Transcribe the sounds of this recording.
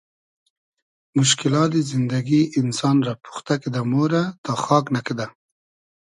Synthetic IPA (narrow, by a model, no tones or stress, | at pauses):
mʊʃ̬kɪlɑt̪̚d̪ezɪnd̪aɡiʔɪnsɑnɾɑpu̥xt̪aked̪amoɾat̪ɑxɑknaked̪a